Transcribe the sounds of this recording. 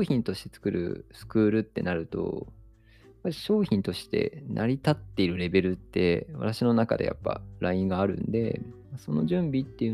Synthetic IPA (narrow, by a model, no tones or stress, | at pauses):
çĩnt̪o̞ɕi̥t̪e̞t͡sɨ̥kɯ̟ɾʔɯ̰sɨ̥kɯːɾɯ̟t̪ːe̞̰naɾɯ̟t̪o̞̰ | japːaɾʲiɕo̞ːçĩnt̪o̞ɕi̥t̪e̞̰nʔa̰ɾʲit̪at̪ːe̞iɾɯ̟ɾe̞be̞ɾɯ̟t̪ːe̞̰βa̰t̪aɕino̞naka̰d̪e̞ja̰pːa̰ɾʔaĩŋɡaːɾɯ̟̰̃nd̪e̞̰maso̞no̞̰ʑɨ̃mbʲit̪ːe̞jɯ̟